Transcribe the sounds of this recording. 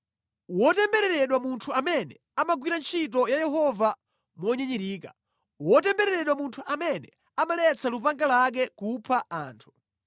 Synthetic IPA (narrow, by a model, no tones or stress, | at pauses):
wɔtɛmbɛɾɛɾɛɗwamuntʰuamɛnɛ | amaɡwiɾant͡ʃʰitɔjajɛhɔva | mwɔɲɛɲiɾiːka | wɔtɛmbɛɾɛɾɛɗwamuntʰuʔamɛnɛ | amalɛt͡salupaŋɡalak̬ɛkupʰaʔaːntʰu̥